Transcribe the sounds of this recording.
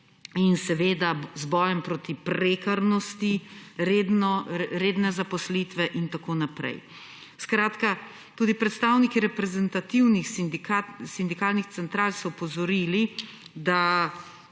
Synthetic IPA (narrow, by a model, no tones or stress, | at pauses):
insɛʋeːd̪azbɔːjɛmpɾoːt̪ipɾeːkaɾnɔst̪iɾed̪nɔɾeːd̪nɛzapɔsliːt̪ʋɛʔint̪akoːnapɾɛ̰j | skɾaːt̪ka | t̪uːd̪ipɾɛt̪st̪aːwnikiɾɛpɾɛzɛnt̪at̪iwnixasind̪ikaːlnixt̪sɛnt̪ɾaːlsɔɔpɔzɔɾiːli | d̪a